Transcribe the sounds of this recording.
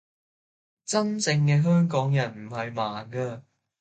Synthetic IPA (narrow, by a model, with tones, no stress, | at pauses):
t͡sɐ˥nt͡sɪ˧ŋkɛː˧ɦœː˥ŋkɔː˨˥ŋjɐ˨˩nm̩˨˩ɦɐ˨jmaː˨nkɐː˧